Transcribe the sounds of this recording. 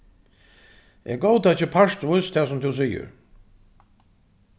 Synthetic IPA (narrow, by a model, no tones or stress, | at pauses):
ɛɾɡoːwt̪at͡ɕːɪpʰaʂt̪vʊjst̪ʰɛːsʊmt̪ʰus̬iːʏ̰ɾ